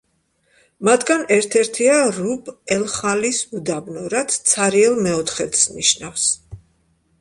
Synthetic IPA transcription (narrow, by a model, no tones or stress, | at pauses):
mat̪ʰɡanɛɾt̪ʰɛɾt̪ʰiaɾubʰɛlˠχalisud̪abnɔɾat̪t̪sʰaɾiɛlˠmɛɔt̪ʰχɛt̪sniʃnafs